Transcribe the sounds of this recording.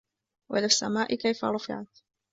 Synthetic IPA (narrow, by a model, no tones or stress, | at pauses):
wʔa̰lasːa̰maːʔɪkajfa̰ɾˤɑfɪ̰ʕat̪